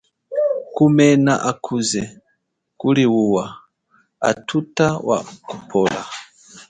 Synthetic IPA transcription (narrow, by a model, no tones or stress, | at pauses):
kumɛnaʔakʰuzɛ | kuliwuwa | a̰tʰutawa̰kupʰɔla